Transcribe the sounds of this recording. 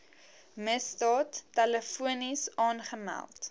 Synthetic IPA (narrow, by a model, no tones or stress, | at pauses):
məsdɑːtːɛləfuənisɑːnχəmæ̰lˠt